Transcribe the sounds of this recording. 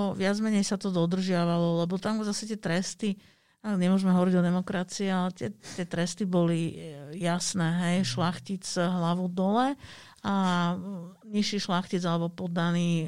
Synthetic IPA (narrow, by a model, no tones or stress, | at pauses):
ɔʋɪad͡zmɛɲɛjsat̪ɔd̪ɔd̪r̩ʒɪaʋalɔlɛbɔt̪amzasɛc̪ɪɛt̪ɾɛst̪i | aɲɛmʊɔʒmɛɦɔʋɔɾiɟɔd̪ɛmɔkɾat͡siɛalɛt̪ɪɛt̪ɪɛt̪ɾɛst̪ibɔlijasnɛːɦɛjʃlaxcit͡sɦlaʋud̪ɔlɛ | a | ɲiʃiːʃlaxcid͡zalɛbɔpɔd̪ːaniː